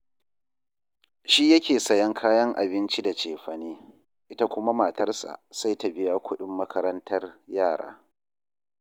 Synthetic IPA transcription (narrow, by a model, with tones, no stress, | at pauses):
ʃi˦jɐ˦kʲʰeː˨sɐ˦jɐ˦ŋkʰaː˦jɐ˦ŋʔa̰˨bɪ˦nt͡ʃi˦da˨t͡ʃeː˨ɸɐ˨niː˦ | ʔɪ˦ta˦kʷʊ˦ma˦maː˨tɐ˦rsa̰˨sa˦jta˨bɪ˦jaː˦kʷʊ˦ɗɪ˦mːɐ˦kʰɐ˦ɾɐ˦ntʰɐ˦rjaː˦˨ɽa̰ː˦